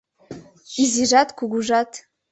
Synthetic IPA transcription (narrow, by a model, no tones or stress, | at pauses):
iziʐatʰʼkʷuɡʷuʐatʰ